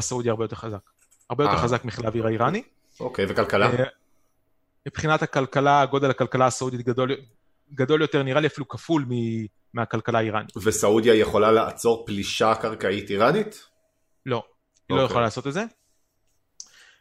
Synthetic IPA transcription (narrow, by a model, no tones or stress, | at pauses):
asaudjaʁbejt̪e̞ʁχazak | aʁbejoteχazakmiχlaviʁaiʁani | okejvekalkala | mipχinathakalkalaːɡo̞d̪elhakalkalaːsaud̪it̪̚ɡado̞l | ɡad̪o̞ljo̞t̪eʁniʁaliafilukafulmi | miakalkalaaiʁanitvesaud̪jajeχo̞lalaʔat͡so̞ʁpliʃakaʁkaitiʁanit̪ | lo̞ | ilo̞jaχolalaːso̞t̪et̪ze